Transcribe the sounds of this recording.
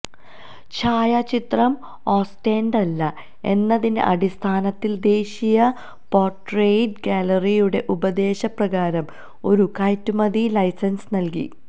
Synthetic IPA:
t͡ɕʰaːjat͡ɕit̪rɐm | oːsteːnɖɐlːɐ | e̞̰nːɐðinḛʔɐɽist̪ʰaːnɐt̪ːild̪e̞ːɕijɐ | po̞ːrʈrejɖɡaːlɐrijuɽe̞ʔubɐd̪e̞ːɕɐprɐɣaːɾɐm | o̞̰ɾukaːjtːumɐðilɐjsɐnsnɐlkḭ

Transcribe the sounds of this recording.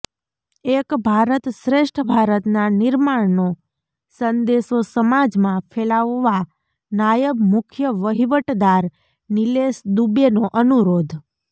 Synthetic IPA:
ekbʱaɾət̪ʃɾeʃʈʰəbʱaɾət̪nanɪɾmaɽno | sənd̪esosəmad͡ʒmãfʰelaʋːa | najəbmʊkʰjəʋəɦiʋəʈd̪aɾ | nilesd̪ubjenoʔənuɾod̪ʱ

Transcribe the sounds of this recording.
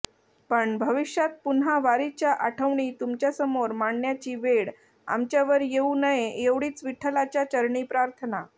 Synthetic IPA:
pəɳbʱəʋiɕjat̪̚punɦaʋaɾit͡ɕjaʔaʈʰəʋɳiːt̪umt͡ɕjasəmoɾmaɳːjat͡ɕiːʋeɽ | a̰mt͡ɕjaʋəɾjeunəjeeʋɽiːt͡sʋiʈʰːəlat͡ɕjat͡ɕəɾɳiːpɾaɾt̪ʰəna

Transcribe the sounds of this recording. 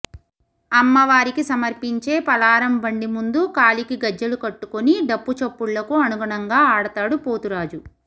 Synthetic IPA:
ɐmːɐʋaːɾikisɐmɐɾpiɲt͡ʃe̞ːpɐlaːɾɐmbɐɳɖimund̪ukaːlikiɡɐd͡ʒːɐlukɐʈːukoniɖɐpːut͡ʃɐpːuɭːɐkuɐnuɡɐɳɐŋɡaːaːɽɐt̪aːɽupoːt̪uɾaːd͡ʒu

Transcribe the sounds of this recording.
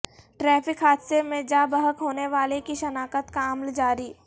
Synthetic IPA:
ʈɾɛːpɪkɦaːd̪semẽd͡ʒaːbəɦəkɦoːneʋaːlekiʃɐnaːkət̪kaɐmld͡ʒaːɾiː

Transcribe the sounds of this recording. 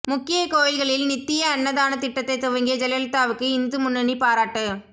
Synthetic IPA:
mʊkːɪjɐkoːjɐɪɣɐɭɪlnɪt̪ːɪjɐːɳːɐðaːnɐt̪ɪʈːɐt̪ːɐɪt̪ːʊʋɐŋɡɪjɐd͡ʒɛlɐlt̪ːaːʋɯkːɯɪnd̪ɯmʊnːɐɳipaːɾaːʈːɯ

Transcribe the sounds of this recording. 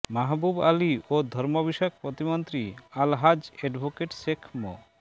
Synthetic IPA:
maɦbubaliod̪ʱɔɾmɔbiʃak̚pɾɔt̪imɔnt̪ɾialɦad͡ʒɛɖbʱokeʈsekʰmɔ̰

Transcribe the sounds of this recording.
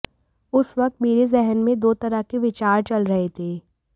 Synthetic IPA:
ʊsʋɐk̚t̪meːɾezɛɦnmẽd̪oːt̪ɐɾəkeʋɪt͡ʃaːɾt͡ʃɐlɾɐɦet̪ʰeː

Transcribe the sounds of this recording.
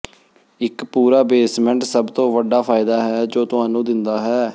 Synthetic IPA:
ɪkpuːɾaːbeːsmɛ̃ɳʈsəbt̪õːʋəɖaːpʰaːɪd̪aːɦɛːd͡ʒoːt̪ʊɦãːnũːd̪ɪnd̪aːɦɛː

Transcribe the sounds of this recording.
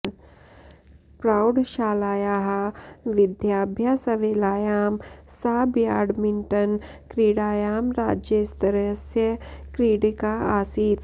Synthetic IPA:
pɾaːʊɖʃaːlaːjaːɦaʋɪd̪jaːbʱjaːsɐʋeːlaːjaːmsaːbjaːɖmɪɳʈɐnkɾiːɽaːjaːmɾaːd͡ʒjəst̪ɐɾəsjɐkɾiːɽikaaːsiːt̪

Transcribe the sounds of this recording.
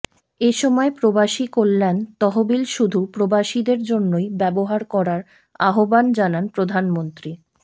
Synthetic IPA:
eʃɔmɔepɾobaʃikolːent̪ɔɦobilʃud̪ʱupɾobaʃid̪eɾd͡ʑonːojbɛboɦaɾkɔɾaɾ | aɦoband͡ʑananpɾod̪ʱanmont̪ɾi

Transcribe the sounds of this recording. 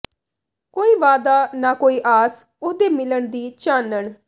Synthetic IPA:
koːiːʋaːd̪aːnaːkoːiːʔaːs | ʊsd̪eːmɪləɳd̪iːt͡ʃaːnəɳ

